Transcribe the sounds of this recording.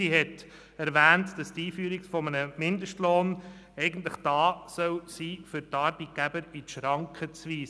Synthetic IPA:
iɦɛt | æɾʋæːntd̥ɑstiːfyːɾikfɔmənəmɪndəʃtloːn | ɛɪɡən̩tləχd̥ɑːsœlsiːfʏɾtɑɾbit̚ɡ̥æb̥əɾiʃɾɑŋkʰχət͡sʋiːs

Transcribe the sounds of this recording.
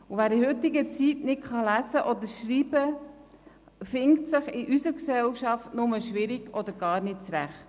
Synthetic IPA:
uvæːɾɪhɵtːɪɡət͡sitnɪtχɑlæsəʔɔd̪əɾʃɾiːb̥ə | fɪŋktsɪχɪʔysəɾksɛlʃɑftnʊməʃʋɪɾiɡɔd̥̪əɾɡɑːɾnɪt̚t͡sɾæ̰χt

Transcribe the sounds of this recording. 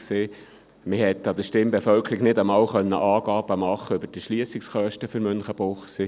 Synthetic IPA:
seː | mɪhɛt̪ːɑd̪əʃtɪmbefœlkʰəɾiɡnɪdəmɑːwχœnːə̰ʔɑːɡ̥ɑːb̥əmɑχːəøbəd̥əʃliəsiksχœʃtəføɾmʏnχəb̥oχsi

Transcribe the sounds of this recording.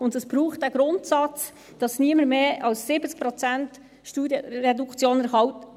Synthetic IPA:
ʊndɛsb̥ɾuːχt̚d̥æɡ̥ɾʊntsɑt͡s | d̥ɑsniəməɾmeːɑlsːɪbət͡sk̚pɾɔt͡sænt | ʃtuːdərɛdukt͡sjoːnæɾhɑwt

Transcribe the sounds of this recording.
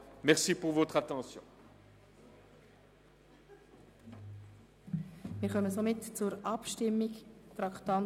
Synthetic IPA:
mɛʁsipuʁvot̪χat̪ɑ̃sjɔ̰̃ | mɪːɾχœməsomɪtt͡sʊɾɑpʃtɪmːiktɾɑkt̪ɑn

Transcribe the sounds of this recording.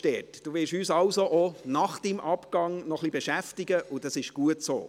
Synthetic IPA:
d̥ɛːtd̥uːʋɪɾʃyːsɑlsoʔɔnɑχd̥imʔɑpkɑŋnɔχlibɛʃæftɪɡəʔʊd̥ɑsɪʃɡ̥uətso̰ː

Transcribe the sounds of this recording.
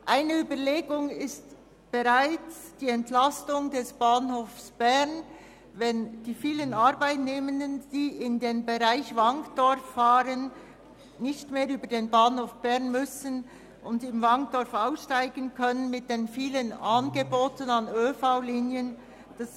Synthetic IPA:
ʔaɪnəyːbəleːɡʊŋɪst | b̥ɛʁaɪt͡sd̥iːɛntlastʊŋdɛsb̥aːnɦoːfsb̥ɛʁn | vɛnd̥iːfiːlənaʁbaɪtneːməndənd̥iːɪndeːnbeʁaɪçvaŋkd̥ɔɾfːaːɾən | nɪçtmeːɐɾyːbədeːnbaːnhoːfb̥ɛʁnmʏsən | ʔʊndɪmvaŋd̥ɔɾfaʊsʃtaɪɡənkʰœnənmɪt̚d̥eːnfiːlənʔanɡeboːtənɑnøːfaʊliːnjən | d̥as

